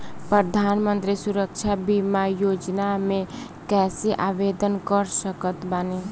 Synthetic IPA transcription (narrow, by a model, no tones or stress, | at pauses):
pɾəd̪ʱaːnmə̃nt̪ɾisuɾəkt͡ʃʰabimajoːd͡ʒnamẽ | kɛːseʔaːbed̪ənkəɾsəkət̪bəne